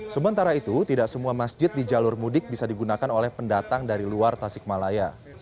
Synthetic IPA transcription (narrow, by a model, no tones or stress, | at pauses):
səmənt̪aɾait̪ut̪idaʔsəmuamasd͡ʒɪt̪̚did͡ʒalʊrmudɪk̚bisadiɡunakanolɛhpəndat̪aŋdaɾiluart̪asɪk̚malaja